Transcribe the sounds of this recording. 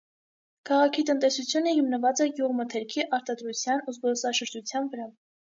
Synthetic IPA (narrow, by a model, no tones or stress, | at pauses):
kʰɑʁɑkʰit̪ənt̪ɛsut͡sʰjunəhimnəvɑt͡sɛɡjuʁmət̪ʰɛɾkʰiʔɑɾt̪ɑd̪ɾut͡sʰjɑnuzbɔlsɑʃəɾd͡ʒut͡sʰjɑnvəɾɑ